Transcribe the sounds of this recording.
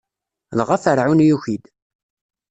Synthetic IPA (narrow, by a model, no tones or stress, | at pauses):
lʁafəɾʕunjuçid̪